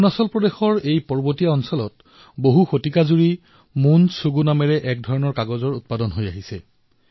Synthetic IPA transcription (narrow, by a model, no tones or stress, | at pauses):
unɔsɔlpɹɔdexɔɹejpɔɹbotijaɔnsɔlɔt | boɦuxotikazuɹi | munsuɡunamɛɹɛʔɛk̚dʱɔɹɔnɔɹkaɡɔzɔɹut̚padɔnɦojaɦisɛ